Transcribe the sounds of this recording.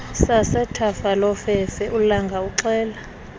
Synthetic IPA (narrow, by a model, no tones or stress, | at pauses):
sasɛtʰafalɔfɛfɛʔulaŋɡʱauǁɛːla